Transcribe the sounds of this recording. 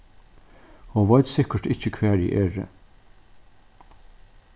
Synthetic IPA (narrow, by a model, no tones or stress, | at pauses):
hoːʋɑʏt̪sɪkəɾt̪ɪçəkʰʋæːɹḭːʔeːɹə̰